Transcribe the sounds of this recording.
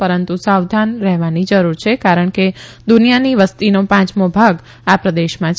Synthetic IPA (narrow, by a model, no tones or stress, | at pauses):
pəɾənt̪usawd̪ʱanɾɛɦʋanid͡ʒəɾuɾt͡ʃʰekaɾəɳked̪unijaniʋəst̪inopãt͡ʃmobʱaɡ | apɾəd̪eʃmãt͡ʃ